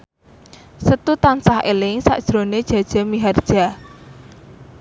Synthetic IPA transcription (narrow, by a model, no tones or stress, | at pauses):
sət̪ut̪ansahelɪŋsa̰ʔd̥ʒ̥ɾoned̥ʒ̥a̤d̥ʒ̥a̤miɦard̥ʒ̥a̤